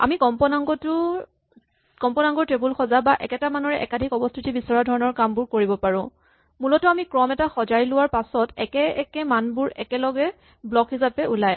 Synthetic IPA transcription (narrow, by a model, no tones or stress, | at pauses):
a̰mikɔmpɔnaŋɡɔtʊ | kɔmpɔnaŋɡɔɹtɹebulxɔzabaʔɛkɛtamanɔɹɛʔɛ̰kadʱikɔbɔstʰitibisɔɹadʱɔɹɔnɔɹkambʊɹkoɹibɔpaɹʊ̃ | mulɔtɔamikɹɔmɛtaxɔzajlʊwaɹpasɔtɛkɛɛkɛmanbʊɹɛkɛlɔɡɛ | blɔkɦizapɛʔulaj